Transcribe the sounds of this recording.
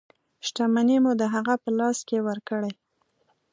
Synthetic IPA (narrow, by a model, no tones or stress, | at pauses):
ʃʈamanemud̪əɦaɣapəlɑskewəɾkəɽaj